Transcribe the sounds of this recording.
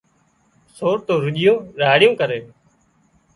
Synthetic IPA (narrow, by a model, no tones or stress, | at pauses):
soːɾt̪oːɾʊʄɪjõːɾaːɽjõːkəɾeː